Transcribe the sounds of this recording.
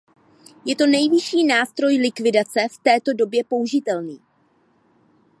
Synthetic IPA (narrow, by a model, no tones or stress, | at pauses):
jɛt̪o̞nɛjvɪʃiːnaːst̪ɾo̞jlɪkvɪdat͡sɛft̪ɛːt̪o̞do̞bjɛpo̞uʒɪt̪ɛlniː